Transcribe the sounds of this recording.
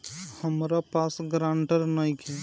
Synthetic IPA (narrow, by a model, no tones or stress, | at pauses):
həmɾapasɡɾãɳʈəɾnajkɛ